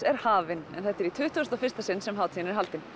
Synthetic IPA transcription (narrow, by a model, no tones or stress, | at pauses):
ɛɾ̥haːvɪnɛ̰nθɛht̪ːɛɾit̪ʰʏːht̪uast̪awfɪ̥st̪asɪnːsɛmɦawt̪sinɪɾɦalt̪ɪn